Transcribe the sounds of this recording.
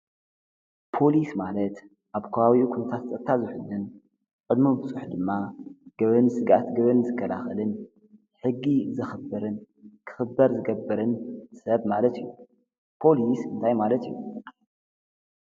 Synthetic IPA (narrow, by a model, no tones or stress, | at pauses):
pʰo̞lismalɐt̪ | ʔaβkʰɐβawikʰunɐt̪ʰat̪t͡sʼɐt̪ʰːazɨħʊd̪ɨn | qʼɨd̪mumbɨsʼuħd̪ɨmːaɡ̥ɐβɨnsɨɡa̰t̪ɡɐβɨnzɨkʰːɐlaxɐlɨn | ħɨɡːizɨxɨbɨɾɨn | kʰɨ̥xɨbɐɾzɨɡɐbːɨɾɨnsɐβmalɐt̪ijːu | pʰo̞lisɨnt̪ʰajmalɐt̪ijːu